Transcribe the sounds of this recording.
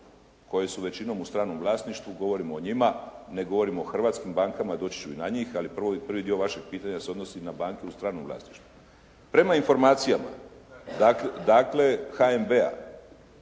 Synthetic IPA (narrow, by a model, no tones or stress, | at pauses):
ko̞je̞suʋe̞t͡ɕino̞must̪ɾaːno̞mʋlˠaːsniʃt̪ʋuɡo̞ʋo̞ɾimoːɲimane̞ɡo̞ʋo̞ɾimoːxr̩ʋaːt̪skimbaːŋkamad̪o̞ːt͡ɕi̥t͡ʃuinaɲiːxalipr̩ʋopr̩ʋid̪io̞ʋaʃe̞ɡ̚piːt̪aɲaseo̞d̪no̞sinabaːŋkeust̪ɾaːnomʋlˠa̰ːsniʃt̪u | pɾe̞mainfo̞ɾmaːt̪sijama̰ | d̪akd̪aːkle̞xaembea̰